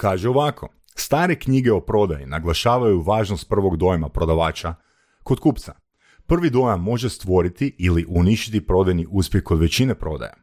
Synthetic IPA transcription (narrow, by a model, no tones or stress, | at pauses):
kaːʒeo̞ʋakʰo̞̰ | st̪aːɾe̞kɲiɡe̞o̞pɾo̞d̪ajḭnaɡlˠaʃaːʋajuʋaːʒnost̪̚pr̩ʋo̞ɡd̪o̞jmapɾo̞d̪aʋaːt͡ʃa | ko̞d̪kuːpt̪sa | pr̩ʋid̪o̞jamːo̞ʒe̞st̪ʋo̞ɾit̪iʔiliʔuniʃt͡ʃit̪ipɾo̞d̪ajniʔuspjexko̞d̪ʋe̞t͡ɕinepɾo̞d̪a̰ja̰